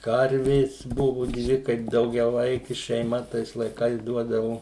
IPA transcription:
ˈkɐrʲʋʲeːs ˈbʊʋʊ ˈdʲʋʲɪ ˈkɐɪp dɐʊɡʲɛˈʋɐɪkʲɪ ʃʲɛɪˈmɐ ˈtɐɪs lˠɐɪˈkɐɪs ˈduɔdɐʋoː

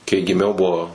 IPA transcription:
kɐɪ ɡʲɪˈmʲɛʊ ˈbʊʋoː

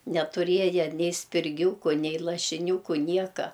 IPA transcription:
nʲɛtʊˈrʲiɛjɛ ˈnʲɛɪ sʲpʲɪrʲˈɡʲuːkʊ ˈnʲɛɪ lˠɐʃʲɪˈnʲuːkʊ ˈnʲiɛkɐ

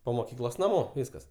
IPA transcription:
poː moːˈkʲiːklˠoːs nɐˈmoː ˈʋʲiːskɐs

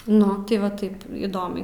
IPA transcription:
ˈnʊ tʲɪ ʋɐ ˈtɐɪp iːˈdoːmʲɛɪ

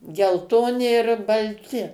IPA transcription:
ɡʲɛlˠˈtoːnʲɪ ɪr bɐlʲˈtʲɪ

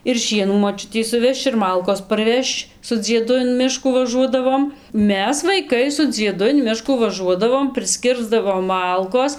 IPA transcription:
ɪr ˈʃʲiɛnuː moːˈt͡ʃʲʊtʲɛɪ sʊˈʋʲɛʃt͡ʃ ɪr ˈmɐlˠkoːs pɐrʲˈʋʲɛʃt͡ʃ sʊ d͡zʲiɛˈdʊ ɪn ˈmʲɪʃkuː ˈʋɑːʒuɔdɐʋoːm ˈmʲɛs ʋɐɪˈkɐɪ sʊ d͡zʲiɛˈdʊ ɪn ˈmʲɪʃkuː ʋɐˈʒuɔdɐʋoːm pʲrʲɪsʲˈkʲɪrzdɐʋoːm ˈmɐlˠkoːs

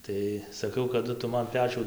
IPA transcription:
ˈtɐɪ sɐˈkɐʊ kɐˈdʊ ˈtʊ ˈmɐn ˈpʲæːt͡ʃʲuː

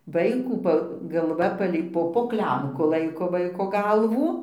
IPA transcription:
ˈʋɐɪkuː ˈpɐ ɡɐlˠˈʋɐ ˈpɑːlʲɛɪ ˈpoː poː ˈklʲɛmkʊ ˈlˠɐɪkoː ˈʋɐɪkoː ˈɡɐlˠʋuː

